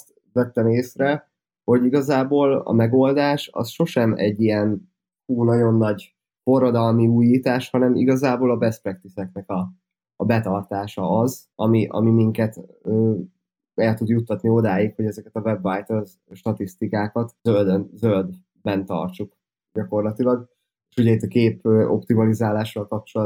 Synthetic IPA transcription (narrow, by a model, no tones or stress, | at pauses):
st̪ | vɛt̪ːɛmeːsrɛ | ho̞ɟiɡɒzaːboːlɒ̰mɛɡo̞ld̪aːʃɒ̰sʃo̞ʃɛmɛ̰ɟːijɛn | uːnɒɟo̞nːɒɟ | fo̞rːod̪ɒlmiuːjiːt̪aːʃhɒnɛmḭɡɒzaːboːlɒbɛsprɛk̚t̪isɛknɛkɒː | bɛt̪ɒrt̪aːʃɒɒz | ɒmiʔɒ̰mimiŋkɛt̪øː | ɛlt̪ud̪jut̪ːɒt̪nio̞d̪aːjikho̞ɟɛzɛkɛt̪ɒvɛbːajt̪øz | ʃt̪ɒt̪ist̪ikaːkɒt̪øld̪ønzøld̪ | bɛnt̪ɒ̰rt͡ʃuk | ɟɒko̞rlɒt̪ilɒɡ | eʃuɟɛit̪ːɒkeːpøːʔo̞̰pt̪imɒlizaːlaːʃɒlkɒp̚t͡ʃo̞l